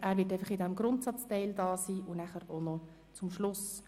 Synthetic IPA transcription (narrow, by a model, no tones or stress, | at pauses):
ʔæːɾvʋɪət̬æɪfəχɪdɛmɡɾʊntsɑt͡stɛɪld̥ɑːsiːʔʊnæχəɾonɔ | t͡sʊmʃlʊs